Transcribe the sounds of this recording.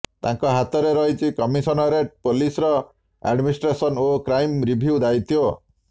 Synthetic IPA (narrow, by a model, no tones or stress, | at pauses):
t̪ãŋkɔɦat̪ɔɾeɾɔɦit͡ʃʰikɔmisɔnɔɾepolisɾɔ | a̰ɖminisʈɾesɔnokɾajmɾibʱiud̪ajt̪ʰio